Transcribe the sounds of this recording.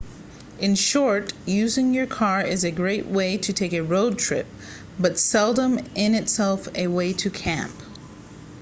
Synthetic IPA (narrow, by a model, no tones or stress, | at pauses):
ʔɨ̃nʃɔɹtjʉzɪ̃ŋjə˞kʰɑɹɪzɨɡɹeɪʔweɪɾɨtʰeɪkɨɹoʊd̚tʰɹ̥ɪ̰p̚ | b̥ʌtsɛlˠdə̃mɪ̃nɨtsɛlˠfɨweɪɾɨkʰæ̰̃mp